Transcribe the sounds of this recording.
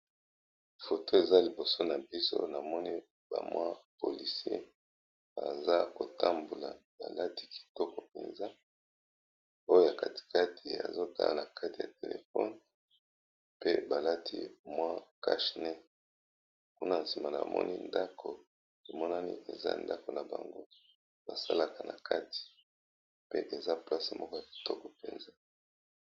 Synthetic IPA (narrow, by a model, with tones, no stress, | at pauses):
fo˨tʰo˦e˨za˦li˨bo˨so˦na˨bi˦so̰˦na˨mɔ˦ni˦ | ba̰˨mwʔa˦po˨li˨si˦ḛ˦ | ba̰˨za˦ko˨ta˦mbu˨la˨ | ba̰˨la˦ti̥˦ki̥˨tɔ˦kɔ˨pe˨nza˦ | o˦jo˦ja˨ka˨ti̥˨ka˦tʰi˨a̰˨zo˦ta̰˦la̰˨na˨kʰa˦ti˨ja˨te˨lḛ˨fɔ˦n | pe˦ba˨la˦tʰi˦mwa˦ka̰˦ʃnɛ˦ | ku˦na˨nsi˨ma˨na̰˨mʔɔ̰˦nḭ˦nda˦kʰo˨ | to˨mɔ˦na˦nḭ˦ʔe˨za̰˦nda˦ko˨na˨ba̰˨ŋɡo˦ | ba˨sa˦la˨ka˨na˨kʰa˦ti̥˨ | pe˦ʔe˨za˦pla˦se˨mʔɔ˦kɔ˦ja˨ki̥˨tɔ˦kɔ˨pe˨nza˦